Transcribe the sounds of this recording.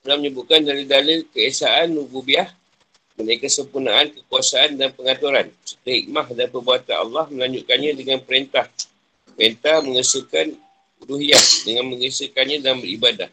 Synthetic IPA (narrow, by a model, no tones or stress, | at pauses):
əlahməɲəbuʔ̚kandaɾidaləkəesaʔanːububiah | mənaikəsəmpunaʔankəkuasaandanpəŋat̪uɾansə̥t̪əɦḭk̚mahdanpərbuat̪anɑ̰lːɑhməlaɲd͡ʒuʔ̚kanɲãdəŋanpəɾent̪ah | pəɾent̪ahmə̃ŋəsukan | uduɦiadəŋanmə̃ŋəsəkanɲãdanbəɾibada̰h